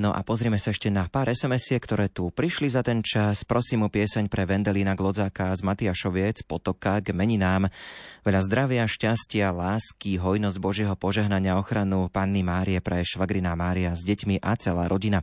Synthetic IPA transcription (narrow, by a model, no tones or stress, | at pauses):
nɔʔa̰pɔzɾiːmɛsaɛʃcɛnapaːɾɛsɛmɛsɪɛkt̪ɔɾɛːt̪upɾiʃlizat̪ɛnt͡ʃaspɾɔsiːmupɪɛsaɲpɾɛʋɛnd̪ɛliːnaɡlˠɔd͡zakazmat̪iaʃɔʋɪɛt͡spɔt̪ɔkaɡmɛɲinaːmʋɛʎazd̪ɾaʋɪaʃcascɪalaːskiɦɔjnɔzɟbɔʒɪɛɦɔpɔʒɛɦnaɲɪaɔxɾanupanːimaːɾiɛpɾɛʃʋaɡɾinamaːɾiazɟɛcmiʔat͡sɛla̰ːɾʔɔɟina